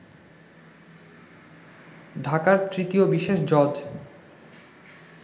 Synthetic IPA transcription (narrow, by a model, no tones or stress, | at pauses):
ɖʱakaɾt̪ɾit̪iobiʃeʃd͡ʑɔd͡ʑ